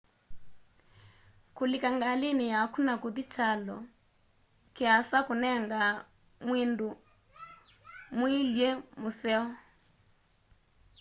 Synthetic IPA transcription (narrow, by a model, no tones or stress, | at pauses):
kulikaŋɡalinijakʰunakud̪it͡ʃʰalɔ | kɛasakunɛŋɡa | mwindu | muiljɛmusɛɔ